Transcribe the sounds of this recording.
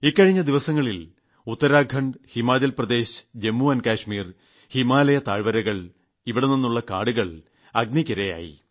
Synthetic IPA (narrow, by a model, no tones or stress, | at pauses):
ikːɐɻiɲːɐd̪iʋɐsɐŋːɐɭil | ut̪ːɐɾaːɡʱɐɳɖhimaːd͡ʑɐlprɐd̪e̞ːɕd͡ʑe̞mːuɐnkaːʂmiːr | himaːlɐjɐt̪aːɻʋɐɾɐɣɐɭ | iʋiɽeninːuɭːɐka̰ːɽuɣɐɭ | ɐɡnikːɐɾɐja̰ːjḭ